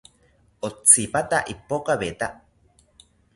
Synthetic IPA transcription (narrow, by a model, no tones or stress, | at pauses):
ot͡sipat̪aʔipokaβet̪a